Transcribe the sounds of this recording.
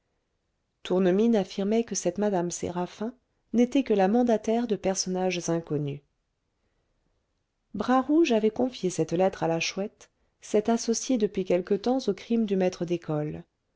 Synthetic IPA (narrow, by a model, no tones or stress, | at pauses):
t̪uʁnəminafiʁmɛkəsɛt̪mad̪amsḛʁafɛ̃ | net̪ɛkəlamɑ̃d̪at̪ɛʁd̪əpɛʁsɔnaʒzɛ̃kɔny | bʁaʁuʒavɛkɔ̃fjesɛt̪lɛt̪χalaʃwɛt̪ | sɛt̪asɔsjed̪əpɥikʲɛlkət̪ɑ̃zokχimd̪ymɛt̪χəd̪ekɔl